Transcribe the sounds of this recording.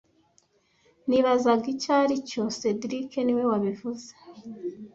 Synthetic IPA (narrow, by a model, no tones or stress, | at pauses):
niβazaɡicaɾicose̞dɾike̞niwe̞waβivuze̥